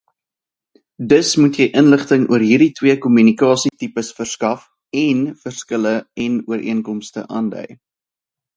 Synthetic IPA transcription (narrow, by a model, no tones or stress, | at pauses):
dəsmutjəjʔənləχtəŋuərɦiːɾitwiəkɔmynikɑːsitipəsfərskɐf | ɛnfərskələɛnuəɾʔḭəŋkɔmstə̰ʔɑ̰ːndœ̰j